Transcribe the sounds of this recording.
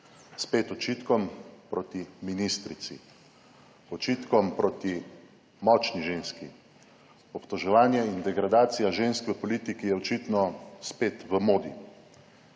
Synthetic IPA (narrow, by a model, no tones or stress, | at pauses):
speːt̪ɔt͡ʃit̪kɔmpɾoːt̪iminist̪ɾit̪sḭ | ɔt͡ʃiːt̪kɔmpɾot̪i | mɔt͡ʃniʒeːnski | ɔpt̪ɔʒɛʋaːnjɛind̪ɛɡɾad̪aːt̪sijaʒeːnskʋɛpɔlit̪ikijɛɔt͡ʃit̪nɔspeːt̪ʋəmoːd̪ḭ